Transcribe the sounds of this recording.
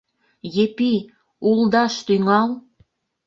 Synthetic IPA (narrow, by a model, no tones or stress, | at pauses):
jepi | ulˠd̪ɑʃt̪yŋɑl